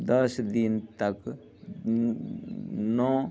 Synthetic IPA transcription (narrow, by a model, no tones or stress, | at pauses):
d̪əsd̪ɪnt̪ək | nɔ̃ː